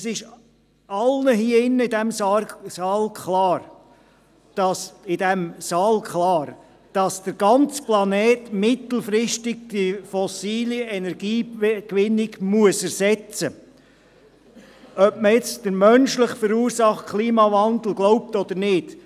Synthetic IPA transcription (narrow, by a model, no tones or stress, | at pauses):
ɛsɪʃ | ɑlnəɦiəɪnːəɪdɛmssɑːlkχlɑːɾ | d̥ɑsɪdɛmsɑːlkʰlɑːɾ | d̥ɑsd̥əɾɡɑnt͡splɑnɛːtmɪt̪l̩ˠfɾɪʃtɪɡ̚d̥ifɔsiːliɛnɛɾɡiːkʋɪnːɪɡmuəsɛɾsɛt͡sə | œpməɪt͡sd̥əɾmœnʃlɪχfəɾuːɾsɑχtkʰliːmɑvɑnd̪l̩ɡ̥lɔʊp̚tɔd̪əɾnɪd̥